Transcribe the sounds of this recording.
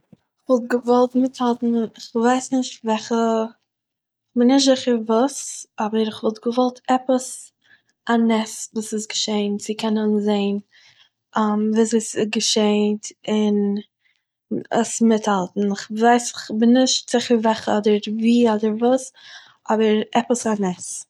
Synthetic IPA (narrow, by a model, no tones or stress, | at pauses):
ɪχvɔlˠt̚ɡəvɔlˠtmɪthalˠtn̩ɪχvaɪsnɪʃtvɛχə | χbɪnɪʃtzɪχəɾvuːsɔbəɾɪχvɔlˠtɡəvɔlˠtʰɛpəs | anɛsvuːsɪsɡəʃeɪntt͡sɪkʰɛnənzeɪn | ʔamviːseɪsɪɡəʃeɪntɪn | ə̰smɪthalˠtn̩ɪχvaɪsɪχbɪnːɪʃtz̥ɪχəɾvɛχəɔdəɾviːɔdəɾvuːs | ʔɔbəɾɛpəsanɛs